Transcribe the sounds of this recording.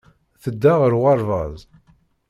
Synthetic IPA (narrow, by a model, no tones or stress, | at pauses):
θəd̪ːaʁəɾʁɑɾˤvɑðˤ